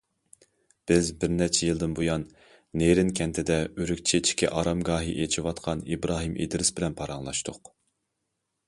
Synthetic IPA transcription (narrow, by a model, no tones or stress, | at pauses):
b̥ɪzbɪɾnɛt͡ʃʰɛjilˠd̪ɨnbujɑnː | eɾɪnkʲʰɛnt̪ʰɪd̪ɛyɾykʲt͡ʃʰet͡ʃʰi̥kʲɛ̰ʔɑɾɑmɡɑːɦiʔet͡ʃʰiwɑt̪qʰɑnibɾɑːɦɨmʔḛd̪ɪɾɪsbɪlɛnpʰɑɾɑŋlˠɑʃt̪ʰʊq